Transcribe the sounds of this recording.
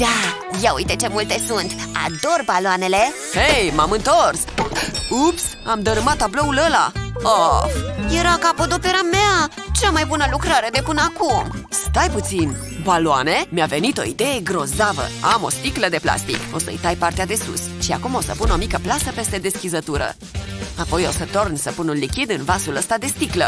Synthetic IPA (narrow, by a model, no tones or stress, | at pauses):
d̪̥a | jaujt̪et͡ʃe̞mult̪e̞sunt̪a̰d̪o̞rbaloane̞le | hejmamɨnt̪o̞rs | ups | amd̪əɾɨmat̪ːablo̞uləla̰oje̞ɾakapod̪opjeɾamea | t͡ʃamajbunəlukɾaɾe̞d̪e̞pɨnəakumst̪ajput̪sin | baloane̞mjave̞nit̪o̞id̪e̞je̞ɡɾo̞zavə̰amo̞̰st̪ikləd̪e̞pla̰st̪ḭko̞sə̰ɨ̰jt̪ajpart̪ead̪e̞sṵs | ʃia̰kumosə̰puno̞mikəplasəpe̞st̪e̞d̪e̞skʲizət̪uɾə̰ | apo̞josət̪o̞rnsəpununlikʲid̪ɨnvasuləst̪ad̪e̞st̪iklə